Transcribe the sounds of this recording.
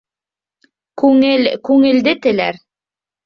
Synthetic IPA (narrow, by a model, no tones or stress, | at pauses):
kʉŋɘlkʉŋɘ̆ld̪ɘt̪ɘ̆læ̰ɾ